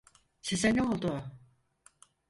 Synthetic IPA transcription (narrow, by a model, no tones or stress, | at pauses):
seseneolˠd̪ʊ